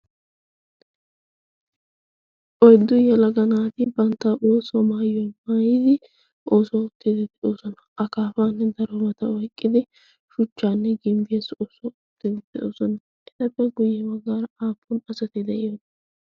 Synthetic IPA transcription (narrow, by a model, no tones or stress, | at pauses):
ʔɔjd̪ːʊjɛlɐɡɐnaːt̪ɪbɐnt̪ːaoːsɔmaːjɔnmaːjɪd̪ɪ | ʔoːsɔʊt̪ːɪd̪ɪd̪ɛʔoːsɔnɐɐkaːfaːnːɛd̪ɐɾɔmɐt̪ɐɔjkʼːɪd̪ɪ | ʃʊt͡ʃːaːnːɛɡɪmbeːsoːsɔʊt̪ːɪd̪ɪd̪̥ɛʔoːsɔnɐ | ʔɪt̪ɐpːɛɡʊjːɛwɐɡaːɾɐaːpʰːʊnɐsɐt̪ɪd̪ɛʔɪjonɐ